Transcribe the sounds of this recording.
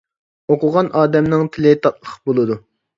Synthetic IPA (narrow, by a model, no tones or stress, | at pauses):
oqʊʁɑnʔɑːd̪ɛmnɪŋt̪ʰɪlɪt̪ʰɑt̪̚lˠəχbolˠɨd̪u